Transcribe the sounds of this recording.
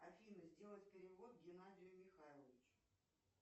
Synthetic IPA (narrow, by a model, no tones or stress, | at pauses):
ɐfʲinɨzʲdʲe̞lˠət̪ʲpʲɪɾʲɪvo̞t̪̚ɡʲɪnadʲɪjʊmʲɪxajlˠəvʲɪt͡ɕʊ̥